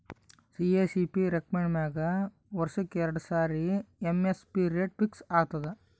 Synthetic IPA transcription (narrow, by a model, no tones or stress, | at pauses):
sieːsipiɾek̚meɳɖmeːɡɐ | ʋɐɾsɐkːeɛɾɐɽɐsaːɾiemespiːɾijeɖ̚piksaːɡ̚t̪ɐd̪e